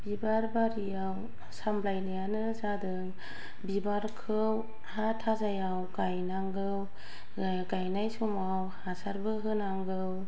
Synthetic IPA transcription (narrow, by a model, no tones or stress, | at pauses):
bibaɾbaɾijaw | samblajnijanɯzadɯŋ | bibaɾkʰɯw | hatʰazajawkajnaŋɡɯw | kajnajsumawhasaɾbɯɦɯnaŋɡɯw